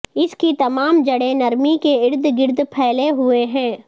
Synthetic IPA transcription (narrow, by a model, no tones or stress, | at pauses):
ɪskit̪ɐmaːmd͡ʒɐɽenɐɾmikeɪɾd̪ʱɡɪɾd̪ʱpʰɛːleɦʊeɦɛ̃ː